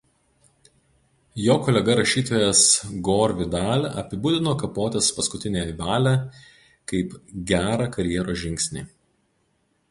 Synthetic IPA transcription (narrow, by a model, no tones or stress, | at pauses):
joːkɔːlʲɛɡɐɾɐʃʲiːt̪oːjɛsɡoːɾʲʋʲɪd̪ɑːlʲɐ̰pʲɪbʊd̪ʲɪnoːkɐpoːt̪ʲɛspɐskʊt̪ʲɪnʲeːjʋɑːlʲæ | kɐɪpɡʲæːɾɑkɐɾʲjɛɾoːsʒʲɪŋʲkʲsʲnʲḭː